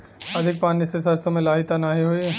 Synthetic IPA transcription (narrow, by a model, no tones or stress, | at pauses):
ɐd̪ʱɪk̚paːnisesɐɾsõmẽlaːɦɪt̪anaːɦiɦoi